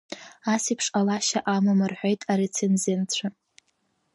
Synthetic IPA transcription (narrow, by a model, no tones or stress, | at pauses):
asipʰʂʼalaʃaʔamamɨrħʷᶣo̞jtʼaɾet͡sʰenzent͡ɕʷʰa